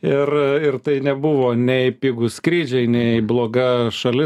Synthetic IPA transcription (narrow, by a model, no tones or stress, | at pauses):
ɪrɪrt̪ɐɪnʲɛbʊʋoːnʲɛɪpʲɪɡʊsʲkɾʲiːd͡ʒʲɛɪnʲɛɪɪblˠoːɡɐʃɐlʲɪ